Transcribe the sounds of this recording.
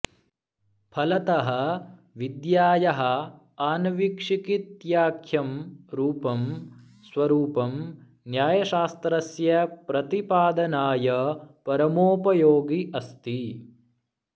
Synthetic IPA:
pʰɐlɐt̪ɐɦɐ | ʋid̪jaːjɐɦɐ̆ | aːnɐʋikʂikit̪jaːkʰjɐmɾuːpɐm | sʋɐɾuːpɐm | njaːjɐʃaːst̪ɾɐsjɐpɾɐt̪ipaːd̪ɐnaːjɐpɐɾɐmoːpɐjoːɡiʔɐst̪i

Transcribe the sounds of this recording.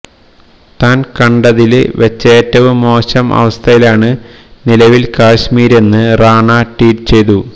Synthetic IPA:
t̪aːnkɐɳɖɐðil̰ʋet͡ɕːeːtːɐʋɨmo̞ːɕɐmʔɐ̰ʋɐst̪ʰɐjilaːɳɨnilɐʋilkaːɕmiːɾe̞nːɨraːɳaːʈiːʈɨt͡ɕe̞jt̪u

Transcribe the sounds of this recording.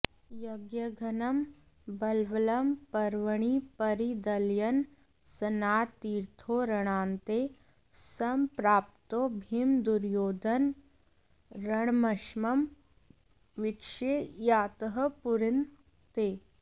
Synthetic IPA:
jɐɡjɐɡʱɐnɐm | bɐlʋɐlɐmpɐɾʋəɳ̃ipɐɾid̪ɐljɐn | sɐnaːt̪ːiːɾt̪ʰoɾɐɽ̃aːnt̪e | sɐmpɾaːp̚t̪obʱimd̪uɾjoːd̪ɐn | ɾɐɳ̃mɐʃmɐm | ʋɪkʃejaːt̪əɦəpuɾɪn | t̪eː

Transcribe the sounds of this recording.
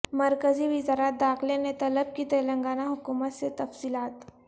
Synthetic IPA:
məɾkəziːʋizaɾat̪̚d̪axlenet̪ɐləb̚kiːt̪əjləŋɡanaɦukumət̪set̪ɐfsiːlat̪

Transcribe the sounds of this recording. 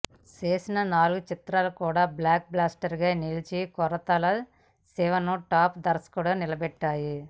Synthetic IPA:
t͡ʃeːsinɐnaːluɡut͡ʃit̪ɾaːlɐkuːɽaːblaːk̚blaːsʈɐɾɡaːnilit͡ʃikɔɾɐt̪ɐlɐ | sɛʋɐnuʈaːpd̪ɐɾɐskuːɽaːnilɐbɛʈːaːji

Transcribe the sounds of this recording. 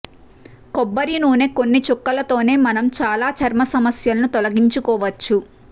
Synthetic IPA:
kɔbːɐɾinuːne̞ːkonːit͡ʃokːɐlɐt̪o̞ːne̞ːmɐnɐmt͡ʃaːlaːt͡ʃɐɾmɐsɐmɐsjɐlɐnut̪olɐɡiɲt͡ʃukɔːʋɐt͡ʃːu

